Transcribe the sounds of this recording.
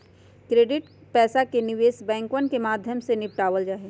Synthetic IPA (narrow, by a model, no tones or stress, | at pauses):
kɾeːɖɪʈpɛːsakenɪʋeːsbɛ̃ːŋkʋənkemaːd̪ʱjəmsenɪpʈaːʋəld͡ʒaːɦe